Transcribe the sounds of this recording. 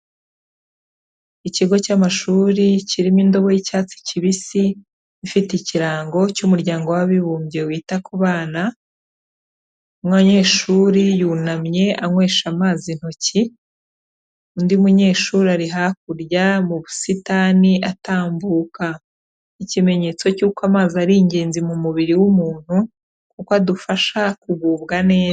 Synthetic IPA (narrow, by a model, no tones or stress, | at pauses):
iciɡo̞camaʃuːɾiciɾimindo̞βo̞jicaːt͡si̥ciβisi | ifiticiɾaːŋɡo̞cumuɾɟaːŋɡo̞waβiβuːmbje̞wiːtakuβaːna | mŋaɲe̞ːʃuɾijuːnamɲe̞ʔaŋwe̞ːʃamaːzin̥ho̞ci | undiumuɲe̞ːʃuːɾiaɾiɦak̚uɾjamuβusitaniʔataːmbuːka | icime̞ɲe̞ːt͡so̞cuːkwamaːziaɾiːɲɟe̞ːnzimumuβiɾiwumuːn̥hu | kukoadufaʃakuβuːβɡane̞ː